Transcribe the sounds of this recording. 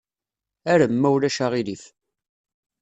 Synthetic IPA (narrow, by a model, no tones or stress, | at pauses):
æɾæmːæwlæʃaʁilif